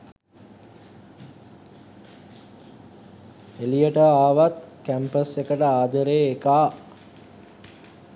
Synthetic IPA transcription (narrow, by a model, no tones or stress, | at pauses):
elijəʈəaːʋat̪kæmpəsekəʈəaːd̪əɾeːkaː